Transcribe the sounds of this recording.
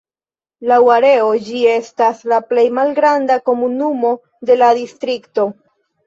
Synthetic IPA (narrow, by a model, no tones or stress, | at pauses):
lawaɾe̞o̞d͡ʒie̞staslaple̞jmalɡɾandako̞munumo̞ | de̞ladistɾikto̞